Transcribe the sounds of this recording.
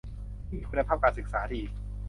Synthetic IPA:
mi˥˩iː˧kʰu˧na˧pʰaː˥˩p̚kaː˧nsɯ˨˩k̚saː˩˦t̪ʰi˧ʔiː˨˩k̚

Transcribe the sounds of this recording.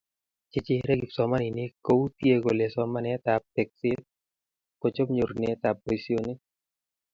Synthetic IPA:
t͡ʃɪ˨t͡ʃɪ˦ɾɛ˦ɡi˨psɔ˨ma˦nɪ˨nɪ˦ko˦u˦t̪je˦ɡo˨le˨sɔ˦ma˦nɛ˨˦t̪a˨p̚tɛ˨k̚sɪ˦t̪̚ | ko˨t͡ʃo˦mɲo˨ɾne˨˦t̪a˨p̚bo˨isi˦o˦nɪ˦

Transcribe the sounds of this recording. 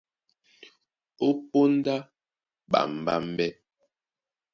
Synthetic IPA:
o˦po˦n˦da˦ | ɓa̰˨m˨ba̰˦m˦bɛ˦

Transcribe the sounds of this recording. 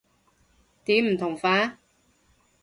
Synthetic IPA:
t̪iː˨˥m̩˨˩t̪ʰʊ˨˩ŋfaː˨˥

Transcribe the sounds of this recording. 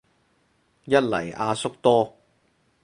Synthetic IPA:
jɐ˥t̚lɐ̰˨˩jʔaː˧sʊ˥k̚t̪ɔː˥

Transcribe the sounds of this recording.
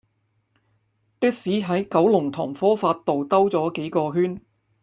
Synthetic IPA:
t̪ɪ˥k̚siː˨˥ɦɐ˨˥jkɐ˨˥wlʊ˨˩ŋt̪ʰɔ̰ː˨˩ŋfɔː˥faː˧t̚t̪ːo˨wt̪ɐ˥wt͡sɔː˨˥ke˨˥jkɔː˧ɦyː˥n

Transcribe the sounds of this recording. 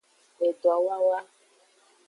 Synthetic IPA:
e˨dɔ˨a˨wa˦wa˦

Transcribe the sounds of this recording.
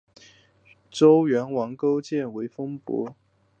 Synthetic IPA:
ʈ͡ʂo˥ʊɥɛ˧˥nwɑ˧˥ŋko˥ʊt͡ɕjɛ˥˩nwe˧˥ɪfɤ˥ŋpwɔ̰˧˥

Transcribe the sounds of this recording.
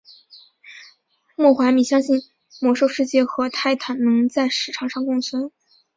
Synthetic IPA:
mwɔ˥˩xwa˧˥mi˨˩ɕjɑ˥ŋɕi˥˩n | mwɔ˧˥ʂo˥˧ʊʂɻ̩˥˧t͡ɕjɛ˥˩xɤ˧˥t̪ʰa˥˩ɪt̪ʰa˨˩nnɤ˧˥ŋt͡sa˥˩ɪʂɻ̩˨˩ʈ͡ʂʰɑ˨˩ŋʂɑ˥˧ŋkʊ˥˧ŋswə˥n

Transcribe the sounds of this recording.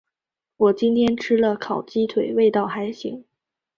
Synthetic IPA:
wɔ˨˩t͡ɕi˥nt̪ʰjɛ˥nʈ͡ʂʰɻ̩˥lə˨kʰɑ˨˩ʊt͡ɕi˥t̪ʰwe˨˩ɪwe˥˧ɪt̪ɑ˥˩ʊxa˧˥ɪɕi˧˥ŋ

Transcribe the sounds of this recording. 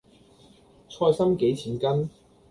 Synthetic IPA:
t͡sʰɔː˧jsɐ˥mke˨˥jt͡sʰiː˨˩nkɐ˥n

